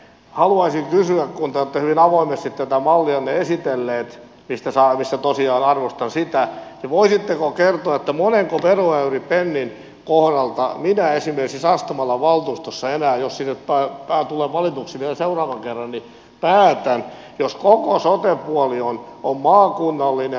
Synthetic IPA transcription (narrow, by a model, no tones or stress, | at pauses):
hɑluɑisiŋkysyækkunt̪æot̪ːehyʋinɑʋoimest̪it̪t̪æt̪æmɑlːiɑnneesit̪elːeːt̪ | mist̪æsɑmisːæt̪osiɑːnɑrʋost̪ɑnsit̪æniʋoisit̪ːekokert̪oɑet̪ːæmoneŋkoʋeruæyripenːin | kohdɑlt̪ɑ̰minæesimerksisɑst̪umɑlːɑʋɑlt̪uːst̪osːɑenæːjossinːet̪pæːpæːt̪uleːʋɑlit̪uksiʋielæseurɑːʋɑŋkerːɑnni | pæːt̪æn | joskokosot̪epuɔlionommɑːkunːɑlːine